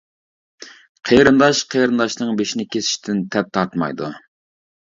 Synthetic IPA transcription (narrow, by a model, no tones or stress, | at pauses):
qʰejɾɨnd̪ɑʃqʰejɾɨnd̪ɑʃnɨŋbeʃinɪkʲʰesʰɪ̥ʃt̪ʰɪnt̪ʰɛp̚t̪ʰɑɾt̪mɑ̰jd̪ṵ